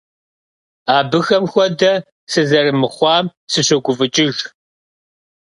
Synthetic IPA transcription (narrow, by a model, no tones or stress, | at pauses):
aːbɨxɐmxʷɔdɐ | sɨzɐrɨmɨχʷɑːmsɨɕɔɡʷʊvɨt͡ʃʼɪʒ